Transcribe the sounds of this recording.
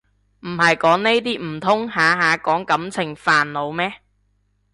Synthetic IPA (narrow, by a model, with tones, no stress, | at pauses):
m̩˨˩hɐ˨jkɔː˨˥ŋne˥jt̪iː˥m̩˨˩t̪ʰʊ˥ŋhaː˨ɦaː˨˧kɔː˨˥ŋkɐ˨˥mt͡sʰɪ˨˩ŋfaː˨nlo˨˧wmɛː˥